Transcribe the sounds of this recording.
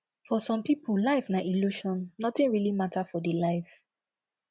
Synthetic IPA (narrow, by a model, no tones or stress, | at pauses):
fɔsɔ̃mpipullaɪfnaʔiluʃɔ̃nːɔt̪ĩnɹilimatafɔdelaɪf